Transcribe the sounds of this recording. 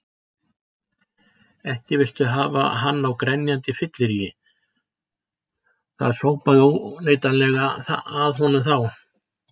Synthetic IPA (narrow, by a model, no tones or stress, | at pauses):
ɛhcɪvɪlt̪ʏɦaːva̰ɦanːawkɾɛnjant̪ɪfɪt̪lɪɾijɪ | θa̰ðsoːwpaðʏownejt̪anlɛɣaθaðɦɔnʏmθaw